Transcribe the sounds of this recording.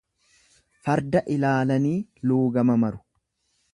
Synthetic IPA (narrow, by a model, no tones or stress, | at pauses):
fɐɾd̪ɐʔɪlaːlɐniːluːɡɐmɐmɐɾʊ̥